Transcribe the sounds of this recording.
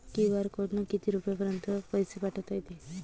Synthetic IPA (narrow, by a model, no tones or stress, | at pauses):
kiʋaɾkoʈnukit̪iɾupjapəɾənt̪əpɔjsepaʈʰət̪ʰəjt̪i